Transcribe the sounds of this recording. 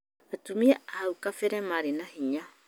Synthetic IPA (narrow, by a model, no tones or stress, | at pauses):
atumiaahaukafeɾɛmaɾenahiɲa